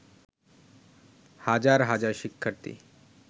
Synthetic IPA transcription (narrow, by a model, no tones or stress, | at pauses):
had͡ʑaɾɦad͡ʑaɾʃikʰːəɾt̪ḭ